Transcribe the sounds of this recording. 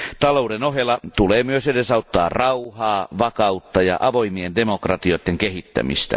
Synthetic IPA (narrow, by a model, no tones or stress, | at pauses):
t̪ɑloudenoɦjelːˑɑt̪uleːmyøsedesɑut̪ːɑ̰ːrɑuhɑːʋɑkɑut̪ːɑjɑ̰ʔɑʋo̞imiendemokrɑt̪iot̪ːeŋkehit̪ːæ̰mḭst̪æ̰